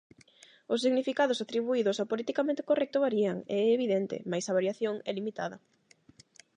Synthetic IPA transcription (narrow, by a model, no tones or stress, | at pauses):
ʊs̬ːiɣnifikaðʊsat̪ɾiβuiðʊsapolit̪ikamẽnt̪e̥korɛk̚t̪oβaɾiaŋḛɛːβiðent̪ɪ̰majsaβaɾjaθjoŋɛlimit̪a̰ðɐ